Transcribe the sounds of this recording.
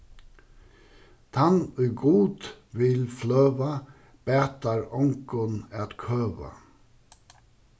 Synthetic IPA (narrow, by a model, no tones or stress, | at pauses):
t̪ʰɑnʉːɡuːd̪ʋɪlflœːʋa | b̥æːt̪aɹɔŋkʊnɑːt̪kʰœːʋa̰